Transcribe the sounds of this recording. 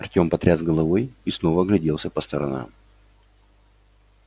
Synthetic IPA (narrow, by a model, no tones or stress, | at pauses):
ɐrtʲo̞mpɐt̪ɾʲazɡəlˠɐvo̞jisno̞vəɡlʲɪdʲe̞lˠsʲəpəst̪əɾɐ̰na̰m